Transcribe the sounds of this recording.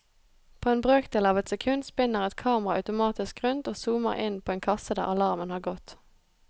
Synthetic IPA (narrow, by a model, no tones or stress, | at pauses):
pʰoːeːnbʁøːkd̪eːlɑːʋɛt̪sɛkʰʉnd̪spɪnːəʁɛt̪kʰɑːmʁɑɑ̰ʉt̪ʊmɑːt̪ɪskʁʉnt̪oːsuːmə̰ʁɪnpʰoːeːnkʰɑsəd̪æ̰ːʁɑlɑʁmənhɑːɡɔt̪